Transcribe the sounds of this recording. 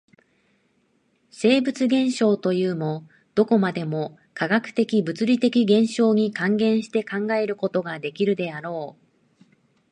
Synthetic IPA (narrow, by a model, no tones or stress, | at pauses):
se̞ːbɯ̟t͡sɨɡẽ̞ɰ̃ɕo̞ːt̪o̞jɯːmo̞ | d̪̥o̞ko̞mad̪e̞mo̞ | kʰaɡakɯ̟̥t̪e̞kʲibɯ̟t͡sɨɾʲit̪e̞kʲiɡẽ̞ɰ̃ɕo̞ːɲ̟ikãŋɡẽ̞ɰ̃ɕi̥t̪e̞kãŋɡae̞ɾɯ̟ko̞t̪o̞ɡad̪e̞kʲiɾɯ̟d̪e̞aɾo̞ː